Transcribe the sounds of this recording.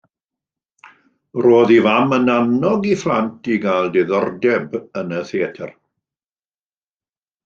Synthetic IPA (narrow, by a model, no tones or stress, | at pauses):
roːðivamənanɔɡiflˠantʰiɡaːlˠdɛðɔrdɛbənəθeɛtʰɛ̰r